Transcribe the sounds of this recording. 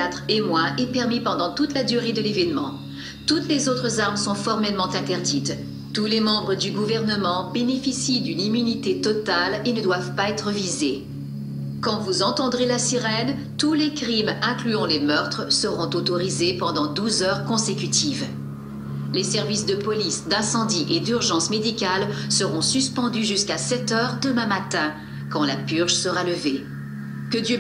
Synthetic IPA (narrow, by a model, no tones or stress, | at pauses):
at̪χemwaʔɛpɛʁmipɑ̃d̪ɑ̃t̪ut̪lad̪yʁed̪əlevɛnmɑ̃ | t̪ut̪lezot̪χəzaʁmsɔ̃fɔʁmɛlmɑ̃t̪ɛ̃t̪ɛʁd̪it̪ | t̪ulemɑ̃bʁəd̪yɡuvɛʁnəmɑ̃benefisid̪ynimynit̪et̪ɔt̪alenəd̪wavpaɛt̪χəvize | kɑ̃vuzɑ̃t̪ɑ̃d̪ʁelasiʁɛn | t̪ulekχimɛ̃klyɔ̃lemœʁt̪χəsəʁɔ̃t̪ot̪ɔʁizepɑ̃d̪ɑ̃d̪uzœʁkɔ̃sekʲyt̪ʰiv | lesɛʁvisd̪əpɔlisd̪ɛ̃sɑ̃d̪iʔed̪yʁʒɑ̃smed̪ikʲalsəʁɔ̃syspɑ̃d̪yʒyskasɛt̪œʁd̪əmɛ̃mat̪ɛ̃ | kɑ̃lapyʁʒsəʁaləve | kəd̪jø